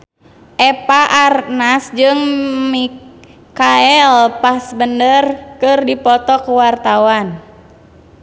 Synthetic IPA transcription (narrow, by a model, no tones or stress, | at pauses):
ʔɛpaʔarnasd͡ʒɨŋmi | kaɛlpasbəndərkɨrdipɔt̪ɔkuwart̪awan